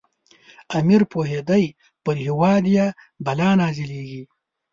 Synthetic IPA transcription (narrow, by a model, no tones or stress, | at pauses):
amiɾpoɦed̪aj | pəɾhɪwɑːd̪ja | balɑːnɑːzileːɡi